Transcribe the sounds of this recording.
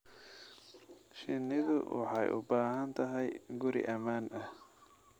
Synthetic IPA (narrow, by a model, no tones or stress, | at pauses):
ʃɪnːɪðʊ̰wɑ̰ħɑjʔʊ̰baːɦɐnt̪ʰɐɦɛjɡʊɾɪ̰ʔɐmaːnʔɐh